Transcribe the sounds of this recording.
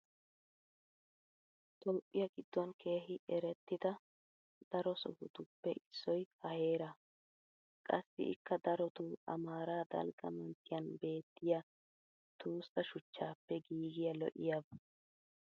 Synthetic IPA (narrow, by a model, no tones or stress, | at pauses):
t̪ʼoːpʼːɪjɐɡɪd̪ːɔnkʰe̞ːɦɪʔɛɾɛt̪ːɪd̪ɐ | d̪̥ɐɾɔsɔ̰hʊd̪ʊpːɛʔɪsːɔjhɐhe̞ːɾɐ | kʼɐsːɪ̰ɪ̰kːɐd̪ɐɾɔt̪uɐ̰maːɾaːd̪ɐ̰lɡɐ̰mɐntːɪjɐnbe̞ːt̪ːɪja | t̪uːsːɐʃʊt͡ʃːaːpːɛɡiːɡɪjɐlɔ̰ʔɪ̰jabɐ